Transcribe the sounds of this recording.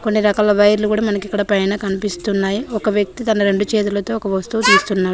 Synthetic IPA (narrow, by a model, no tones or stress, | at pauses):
konːiɾɐkaːlɐʋɐjɐɾlukuːɽaːmɐnɐkikːɐɽɐpɐjnaːkɐnipist̪unːaːjiɔkɐʋjɐk̚t̪it̪ɐnɐɾe̞ɳɖut͡ʃeːt̪ulɐt̪o̞ːɔkɐʋɐst̪uːt̪iːst̪unːaːɾu